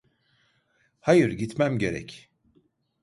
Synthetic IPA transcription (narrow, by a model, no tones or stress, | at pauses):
hajɯɾɟit̪mæmɟe̞ɾɛ̰c